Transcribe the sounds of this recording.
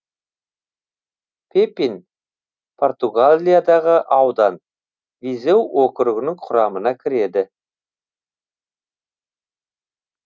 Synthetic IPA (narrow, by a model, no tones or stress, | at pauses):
pʰepin | pʰo̞rt̪uɡalʲijad̪ɑʁəʔɑwd̪ɑn | vize̞wwokəɾʊɡʲɪnɪŋqʰʊɾɑmənɑkʲʰɪɾe̞d̪ɪ